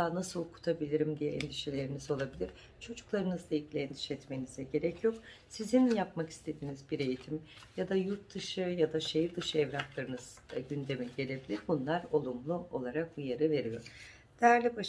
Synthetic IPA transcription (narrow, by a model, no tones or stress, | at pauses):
aːnasɯlˠkʰu̥t̪ʰabilʲiɾimd̪ijɛɛnd̪iʃelʲe̞ɾinizo̞lˠabilʲiɾ̥ | t͡ʃʰo̞d͡ʒuklˠaɾɯnɯzd̪ailɟilʲɛnd̪i̥ʃɛt̪me̞nizɛɟe̞ɾɛcʰjo̞k | sizinjapmaki̥st̪ʰe̞d̪iːnizbiɾe̞jit̪ʰimjad̪ajuɾt̪ːɯʃɯjad̪aʃejiɾd̪ɯʃɯɛvɾaklˠaɾɯnɯz̥ | ɟynd̪e̞mɛɟe̞lʲe̞bilʲiɾbunlˠaɾo̞lˠumlˠuo̞lˠaɾak̚bujaɾɯve̞ɾijo̞̰ɾ̥ | d̪̥ɛæɾlʲibaʃ